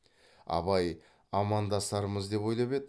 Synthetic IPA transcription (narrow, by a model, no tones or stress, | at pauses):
ɑ̰bɑj | ɑmɑnd̪ɑst̪ɑɾəməzd̪e̞pwo̞jlˠɑpe̞d̪ɪ